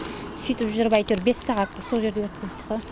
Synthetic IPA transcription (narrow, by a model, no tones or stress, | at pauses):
sʏjt̪ɪpʒʊɾəpɑjt̪uɾbe̞sːɑʁɑt̪ːəso̞lˠʒe̞ɾd̪ewɵt̪̚kʲɪzd̪əqə